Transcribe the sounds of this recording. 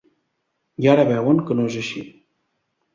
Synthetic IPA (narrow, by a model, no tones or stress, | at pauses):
jaɾəβɛwəŋkənoʒəʃi